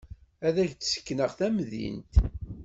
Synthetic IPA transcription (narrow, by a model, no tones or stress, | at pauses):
æðæçt͡sːsə̥kːnəʁθæmðḭnt̪